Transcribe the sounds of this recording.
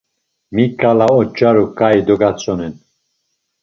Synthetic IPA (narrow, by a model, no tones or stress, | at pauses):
mikʼalaɔt͡ʃʼaɾukʼaid̪ɔɡat͡sʼɔnɛn